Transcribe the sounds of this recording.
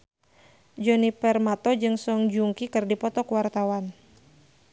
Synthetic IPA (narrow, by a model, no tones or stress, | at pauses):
d͡ʒɔnipɛrmat̪ɔd͡ʒɨŋsɔŋd͡ʒuŋkikɨrdipɔt̪ɔkuwart̪awan